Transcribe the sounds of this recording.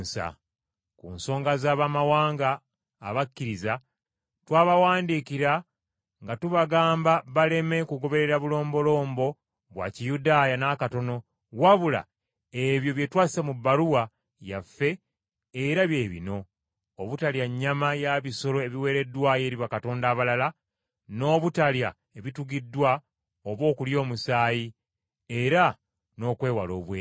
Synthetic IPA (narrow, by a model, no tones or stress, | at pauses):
sa̰ | kṵnso̞ːŋɡazaːβamawaːŋɡaː | βakːiɾiza | twaːβawaːndikiɾa | ŋɡatuβaɡaːmbaβale̞me̞kuɡo̞βe̞ɾe̞ɾaβulo̞ːmbo̞lo̞ːmbo̞ | βwa̰ːcijudaːjanakato̞no̞ | waβula̰ | eβjo̞βje̞twaːsi̥semubːaɾuwa | ja̰fːe̞ː | ɾaβje̞ːβḭno̞ː | βutaljaɲːamajaβiso̞lo̞e̞βiwe̞ːɾe̞dːwaje̞ːɾiβakatoːndaːβalala | no̞ːβutalja | e̞βituɡidːwa | oβwo̞ːkuljo̞ːmusaːji | e̞ɾa | no̞ːkwe̞ːwalo̞̰ːβweː